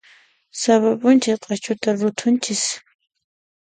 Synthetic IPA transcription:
saβapʊnt͡ʃɪsqʼɑt͡ʃʊt̪aɾʊt̪ʰʊnt͡ʃɪs

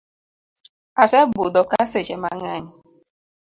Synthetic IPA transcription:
asebʊdɔkaset͡ʃemaŋaɲɪ

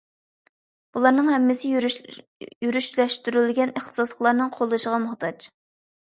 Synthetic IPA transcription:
b̥ulˠɑɾnɨŋhɛmːɪsɪ | jyɾyʃlɛʃt̪yɾylɡʲɛnəχt̪ʰə̥sɑslˠəqlˠɑɾnɨŋqʰolˠɨʃəʁɑmʊht̪ʰɑt͡ʃ

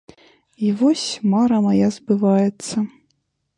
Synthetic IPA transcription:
ivɔsʲmaɾɐmajazbɨvajɛt̪sːɐ

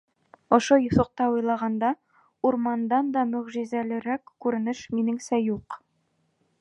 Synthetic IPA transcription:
ŏʃojŏθŏq̚t̪ɑujlˠɑʁɑnd̪ɑ | uɾmɑnd̪ɑnd̪ɒmɵ̆ʁʒizælɘ̆ɾækkʉɾɘ̆nɘʃminɘŋsæjuq

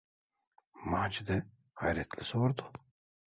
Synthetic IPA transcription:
maːt͡ʃʰid̪ɛ | hajɾɛt̪ʰlɪsoɾd̪u

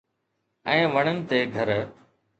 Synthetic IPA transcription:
ɛ̃ːʋɐɽ̃ənɪ̆t̪eːɡʱɐɾ

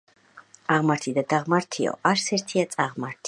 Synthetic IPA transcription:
aʁmaɾt̪ʰid̪ad̪aʁmaɾt̪ʰiɔ̰ʔaɾt̪sʰɛɾt̪ʰiat̪sʼaʁmaɾt̪ʰi

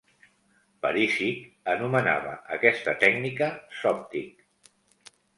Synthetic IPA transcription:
pəɾisi | ənuməna̰βə̰əkɛst̪ət̪ɛɡnikəsɔp̚t̪ik

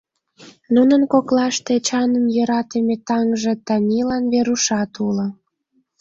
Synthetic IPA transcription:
nunənkoklɑʃt̪et͡ɕɑnəmjøɾɑt̪emet̪ɑŋʒet̪ɑnʲilɑnβeɾuʃɑt̪ulŏ

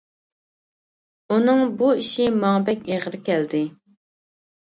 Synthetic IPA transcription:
unɨŋbuiʃimɑŋbɛkʲeʁəɾkʲɛld̪ɪ

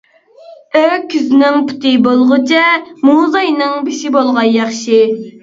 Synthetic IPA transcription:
økʲʰːyznɪŋpʰu̥t̪ʰɨbolˠʁʊt͡ʃʰɛmuzɑjnɨŋbeʃibolˠʁɑnjɑχʃi

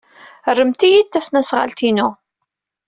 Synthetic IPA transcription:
rːəmt̪ijit̪ːæsnæsʁa̰lt̪inʊ

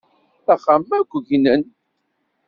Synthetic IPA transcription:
æχamːækʷːʝnən

